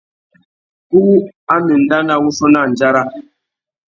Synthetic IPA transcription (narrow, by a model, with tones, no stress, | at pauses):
ku˦u˦a˦ni˨n̩˦da˦na˦wu˦so˦na˦˨n˨d͡ʒa˦ɾa˦